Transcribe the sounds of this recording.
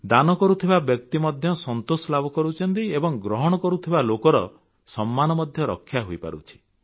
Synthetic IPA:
d̪anɔkɔɾut̪ʰibabjɔkt̪imɔd̪ʱjɔsɔnt̪osɔlabʱɔkɔɾut͡ʃʰɔnt̪̬iebɔŋɡɾɔɦɔɽ̃ɔkɔɾut̪ʰibalokɔɾɔ̰ | sɔmːanɔmɔd̪ʱjɔɾɔ̰kʰːjaɦoipa̰ɾṵt͡ʃʰi̥

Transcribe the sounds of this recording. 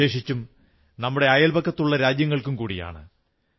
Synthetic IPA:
e̞ːʂit͡ɕːum | nɐmːuɽe̞ɐjɐlbɐkːɐt̪ːuɭːɐɾaːd͡ʑjɐŋːɐɭkumkuːɽḭja̰ːɳɨ̰

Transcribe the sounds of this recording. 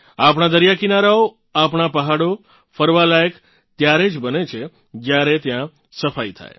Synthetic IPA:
ap̬ɳ̃ad̪əɾjakinaɾao | apɳapəɦaɽo | fəɾʋalajək | t̪jaɾed͡ʒbənet͡ʃʰe | d͡ʒjaɾet̪jã | səfait̪ʰa̰j

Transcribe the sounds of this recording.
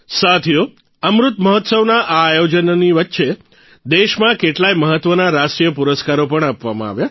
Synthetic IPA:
sat̪ʰijo | əmɾut̪məɦɔt̪səʋnaʔaːjod͡ʒənniʋətːʃe | d̪eʃmãkeʈlajməɦət̪ʋənaɾaʃʈɾijəpuɾəskaɾopəɳapʋamã̰a̰ʋja

